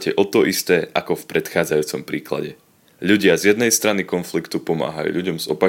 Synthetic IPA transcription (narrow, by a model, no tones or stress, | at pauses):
cɛʔɔt̪ɔʔist̪ɛːʔakɔfpɾɛt̪xaːd͡zajuːt͡sɔmpɾiːkla̰ɟɛ | ʎuɟɪazjɛd̪nɛjst̪ɾanikɔnflikt̪upɔma̰ːɦajṵːʎuɟɔmzɔpa